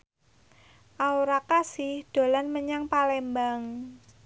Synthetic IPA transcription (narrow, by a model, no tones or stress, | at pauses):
ʔauɾakasɪhd̪̥o̤lanməɲaŋpalɛmbaŋ